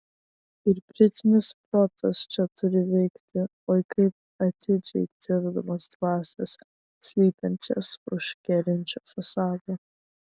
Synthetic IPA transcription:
ɪɾpʲɾʲɪt̪ʲɪnʲɪspɾɔt̪ʰɐst͡ʃʲɛt̪ʊɾʲɪvʲɛɪkt̪ʲʰɪ | ɔjkɐɪp̚ | ɐt̪ʲʰɪd͡ʒʲɛ̰ɪt̪ʲɪɾd̪ɐmɐsd̪vɑːsʲɛsːʲ | lʲiːt̪ʲɐnʲt͡ʃʲɛ̰sʊ̰ʃkʲɛɾʲɪnʲt͡ʃʲofɐsɑːd̪u

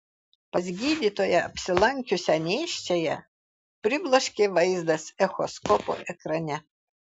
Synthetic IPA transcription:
pɐzʲɡʲiːd̪ʲiːt̪oːjɛɐpʲsʲɪlˠɐŋʲkʲʊsʲɛnʲeːʃʲt͡ʃʲejɛ | pʲɾʲɪblˠɐʃʲkʲeʋɐɪzd̪ɐsɛxɔ̰skɔpo̰ːʔɛkɾɐnʲɛ

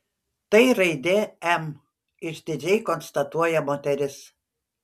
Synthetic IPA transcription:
t̪ɐɪɾɐɪd̪ʲeːɛm | ɪʃd̪ʲɪd͡ʒʲɛɪkɔnst̪ɐt̪uɔjɛmoːt̪ʲɛɾʲɪs

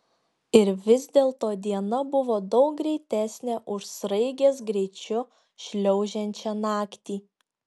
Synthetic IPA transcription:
ɪɾʋʲɪzʲd̪ʲeːlˠt̪oːd̪ʲiɛnɐbʊʋoːd̪ɒʊk̚ɡɾʲɛɪt̪ʲæːsʲnʲeʔʊʃsɾɐɪɡʲeːsɡɾʲɛɪt͡ʃʲʊ | ʃʲlʲɛʊʒʲɛnʲt͡ʃʲɛnɑːkt̪ʲiː

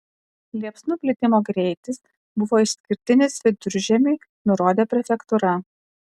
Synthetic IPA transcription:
lʲiɛpsnupʲlʲɪt̪ʲɪmoːɡɾʲɛɪt̪ʲɪs | bʊʋoːɪʃsʲkʲɪɾʲt̪ʲɪnʲɪsʋʲɪd̪ʊɾʲʒʲɛmʲeɪ | nʊɾoːd̪ʲeːpʲɾʲɛfʲɛkt̪uɾɐ

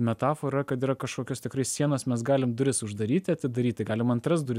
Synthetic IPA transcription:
mʲɛt̪ɑːfoːɾɐkɐt̪iːɾɐkɐʃkoːkʲoːst̪ʲɪkɾɐɪsʲsʲiɛnoːsmʲɛsɡɑːlʲɪmd̪ʊɾʲɪsʊʒd̪ɐɾʲiːt̪ʲɪɐt̪ʲɪd̪ɐɾʲiːt̪ʲɪɡɑːlʲɪmɐnt̪ɾɐsd̪ʊɾʲɪ

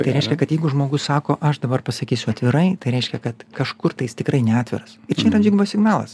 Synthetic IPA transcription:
t̪ɐɪɾɛɪʃʲkʲɛkɐt̪jɛɪɡʊʒmoːɡʊssɑːkoːʔɐʃd̪ɐbɐrpɐsɐkʲiːsʲʊɐt̪ʲʋʲɪɾɐɪt̪ɐɪɾʲɛɪʃʲkʲɛkɐt̪kɐʃkʊrt̪ɐɪst̪ʲɪkɾɐɪnʲɛaːtʲʋʲɪ̰ɾɐsɪrt͡ʃʲɛiːɾɐd͡ʒʲɪɡbosʲɪɡnɑːlˠɐ̰s

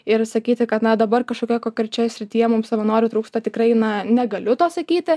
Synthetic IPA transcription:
ɪrsɐkʲiːt̪ʲɪkɐt̪nɐd̪ɐbɐrkɐʃkoːkʲɛɛkoːkʲɛɾʲt͡ʃʲoːjɛsʲɾʲɪt̪ʲijɛmʊmsɐʋɐnoːɾʲʊt̪ɾuːkst̪ɐt̪ʲɪkrɐɪnɐnʲɛɡɐlʲʊt̪oːsɐkʲiːt̪ʲɪ

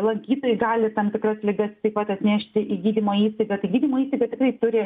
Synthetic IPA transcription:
lˠɐɡʲiːt̪oːjɪɡɑːlʲɪt̪ɐmt̪ʲɪkrɐslʲɪɡɐst̪ɐɪpɐt̪ɐt̪ʲnʲɛʃʲt̪ʲɪʔiːɡʲiːd̪ʲimoːiːst̪ɐɪɡɐt̪ɐɪɡʲiːdʲimoːiːst̪ɐɪɡɐt̪ʲɪkrɐɪt̪ʊɾʲɪ

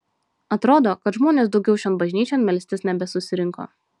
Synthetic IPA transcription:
ɐt̪ɾoːd̪oːkɐt̪ʒmoːnʲeːsd̪ɒʊɡʲɛʊʃʲoːnbɐʒʲnʲiːt͡ʃʲonmʲɛlʲsʲt̪ʲɪsnʲɛbʲɛsʊsʲɪɾʲɪŋko̰ː

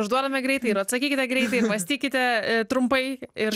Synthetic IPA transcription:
ʊʒd̪uɔd̪ɐmʲɛɡɾʲɛɪt̪ɐɪɪɾɐt̪sɐkʲiːkʲɪt̪ʲɛɡɾʲɛɪt̪ɐɪɪɾmɐsʲt̪ʲiːkʲɪt̪ʲɛt̪ɾʊmpɐɪɪɾ

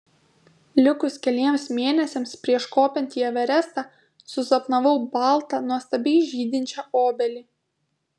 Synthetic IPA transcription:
lʲʊkʊskʲɛlʲiɛmsmʲeɛːnʲɛsʲɛmspʲɾʲiɛʃkoːpʲɛnʲt̪ʲiːjɛʋʲɛɾʲɛst̪ɑ | sʊzɐpnɐʋɐʊbɑˑlˠˑt̪ɑnuɔst̪ɐbʲɛɪʒʲiːd̪ʲɪnʲt͡ʃʲɛoːbʲɛlʲiː

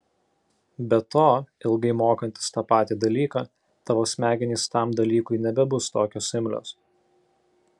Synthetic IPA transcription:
bʲɛt̪oːɪlˠɡɐɪmoːkɐnʲt̪ʲɪ̥st̪ɑːpɑːt̪ʲiːd̪ɐlʲiːkɑː | t̪ɑːʋoːsʲmʲæːɡʲɪnʲiːst̪ɑˑmd̪ɐlʲiːkʊɪnʲɛbʲɛbʊst̪oːkʲoːsʲɪmʲlʲo̰ːs

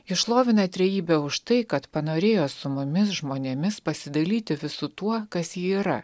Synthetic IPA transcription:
ɪʃlˠoːʋʲɪnɐt̪ʲɾʲɛjiːbʲɛʊʃt̪ɐɪkɐt̪pɐnoːɾʲeːjoːsʊmʊmʲɪsʒmoːnʲemʲɪspɐsʲɪd̪ɐlʲiːt̪ʲɪʋʲɪsʊt̪uɔkɐsjiːiːɾɐ

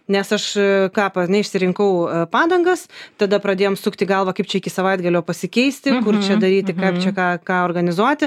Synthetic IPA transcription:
nʲɛsɐʃkɑːpɐnʲɛɪʃʲsʲɪɾʲɪŋkɐʊpɑːd̪ɐŋɡɐst̪ɐd̪ɐpɾɐd̪ʲeːjoːmsʊkt̪ʲɪɡɐlˠʋɐkɐɪpt͡ʃʲɛɪkʲɪsɐʋɐɪt̪ɡɐlʲojopɐsʲɪkʲɛɪsʲt̪ʲɪkʊrt͡ʃʲɛd̪ɐɾʲiːt̪ʲɪkɐɪpt͡ʃʲɛkɑːkɑːoːrɡɐnʲɪzuɔt̪ʲɪ

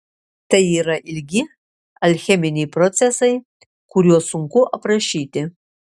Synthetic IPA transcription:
t̪ɐjiːɾɐʔɪlʲɡʲɪ | ɐlʲxʲɛmʲɪnʲɛjpɾɔt̪sʲɛsɐj | kʊɾʲuɔsʊŋkʊʔɐpɾɐʃʲiːt̪ʲɪ

